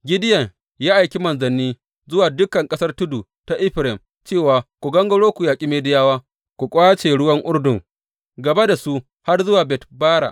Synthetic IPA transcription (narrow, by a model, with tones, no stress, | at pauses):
ɡʲɪ˦dɪ˦jɐ˨ŋ | jaː˦ʔa˨jkʲi˦mɐ˨nzɐ˨nːiː˦ | zʊ˦waː˨dʊ˦kɐ˨ŋkʼɐ˦sɐ˦rtʊ˦du˨ | ta˨ʔɪ˦ɸɾɪ˨m | t͡ʃeː˦˨waː˨kʷu˨ɡɐ˦ŋɡɐ˦ɽoː˦kʷu˨jaː˨kʲʼi˦meː˦dɪ˦jaː˦waː˦ | kʷu˨kʷʼaː˦t͡ʃeː˨ɽʊ˦wɐ˦ŋʔʊ˦rdʊ˨ŋ | ɡɐ˨ba˦da˨su˦ | ha˦rzʊ˦waː˨bɛ˨tbaː˦ɽa̰˨ʔ